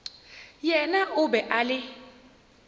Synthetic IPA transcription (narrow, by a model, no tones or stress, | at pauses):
jɛnaʔʊbɛʔalɪ